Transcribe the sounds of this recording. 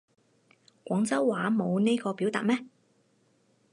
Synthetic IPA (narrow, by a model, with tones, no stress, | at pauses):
kʷɔː˨˥ŋt͡sɐ˥wːaː˨˥mo˨˧wne˥jkɔː˧pi˨˥wt̪a̰ː˨t̚mɛː˥